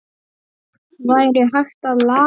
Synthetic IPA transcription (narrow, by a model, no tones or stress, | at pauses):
vaːjɾɪɦajxt̪aðlaː